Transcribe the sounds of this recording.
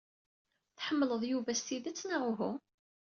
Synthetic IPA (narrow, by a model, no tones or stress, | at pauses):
θħəmːləðˤjuvæst̪iðæt͡sːnaʁʊɦu